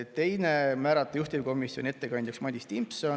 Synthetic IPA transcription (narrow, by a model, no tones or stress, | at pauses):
t̪t̪ːe̞jnemæːɾɑt̪ːˑɑjuht̪ʲivko̞misjonʲie̞t̪ːe̞kɑnʲd̪̥ʲjuksmɑd̪ʲist̪impson